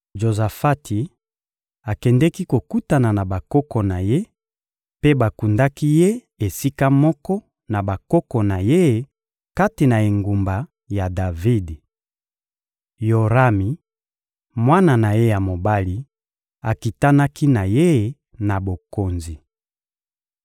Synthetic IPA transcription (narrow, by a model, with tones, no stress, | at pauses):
ʒo˨za˨fa˦tʰi˨ | a˨kɛ˨ndɛ˦ki˦ko˨ku˦ta˨na˨na˨ba˨kɔ˦kɔ˨na˨je˦ | pe˦ba˨ku˨nda˦ki˦je˦ | e˨si˦ka˦mɔ˦kɔ˦ | na˨ba˨kɔ˦kɔ˨na˨je˦˨ | ka˦te˨na˨e˨ŋɡu˨mba˨ | ja˨da˨vi˦d | jo˨ʁa˦mi˨ | mwa˦na˨na˨je˦ja˨mo˨ba˦li˦ | a˨ki˨ta˦na˦ki˦na˨je˦˨ | na˨bo˨ko˨nzi˨